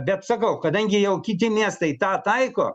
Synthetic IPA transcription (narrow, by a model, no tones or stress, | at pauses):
bʲɛt̪sɐkɐʊkɐd̪ɐŋʲɡʲɪjɛʊkʲɪt̪ʲɪmʲiɛst̪ɐɪt̪ɑːt̪ɐɪko̰ː